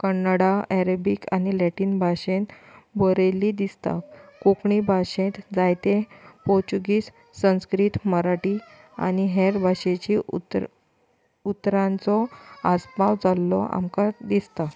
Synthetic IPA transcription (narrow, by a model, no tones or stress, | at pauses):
kənːaɽaɛɾəbikanilɛʈiːnbʱaɕẽt̪ | bəɾeliːd̪ist̪a̰kokɳibʱaɕẽt̪d͡zajt̪epɔɾt͡ɕuɡiːsː | ə̃w̃skɾit̪məɾaʈi | a̰niɦeɾbʱaɕet͡ɕi | ut̪ɾãnt͡sɔaspawd͡zalːɔ̰a̰mkad̪ist̪a